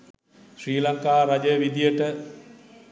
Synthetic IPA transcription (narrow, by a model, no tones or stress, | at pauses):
sriːlaŋkaːɾad͡ʒəʋid̪ijəʈə